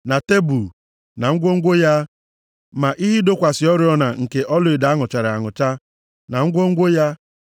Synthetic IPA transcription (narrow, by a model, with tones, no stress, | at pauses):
na˨te˦bu˨ | na˨ŋ̩˦ɡʷo˦ŋ̩˦ɡʷo˦ja˦ | ma˨ʔi˦ɦi˦do˦kʷa˨sɪ˨ɔ˦ɾɪ˦ɔ˦na˨ŋ̩˨ke˨ʔɔ˦lʊ˨e˨da˨a˦ŋʊ˨t͡ʃa˨ɾɪ˨a˨ŋʊ˨t͡ʃa˦ | na˨ŋ̩˦ɡʷo˦ŋ̩˦ɡʷo˦ja˦